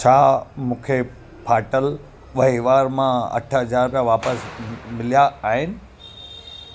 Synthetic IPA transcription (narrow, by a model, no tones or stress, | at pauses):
t͡ɕʰaːmũːkʰe | pʰaːʈəl | ʋɐɦiʋaːɾmãɐ̰ʈʰɦɐzaːɾpijaʋaːpəsmɪlijaaːɦɪnɪ̆